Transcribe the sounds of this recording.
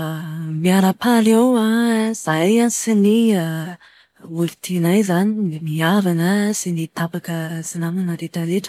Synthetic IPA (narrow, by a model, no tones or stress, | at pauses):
miaɾəpalewaz̥ajansinia | ulit̪ʰinajzanimiavanəsinit̪apakəz̥inamanaɾeʈ͡ʂəɾeʈ͡ʂə̥